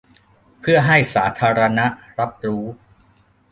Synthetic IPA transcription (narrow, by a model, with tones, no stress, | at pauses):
pʰɯ˥˩əɦa˥˩jsaː˩˦t̪ʰaː˧ɾa˧na˦˥ɾa˦˥p̚ɾuː˦˥